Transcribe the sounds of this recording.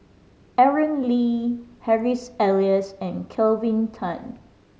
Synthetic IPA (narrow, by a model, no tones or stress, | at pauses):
ɛɹə̃nlihɛɹisɛliəsɛ̃nkʰɛlvĩntʰãn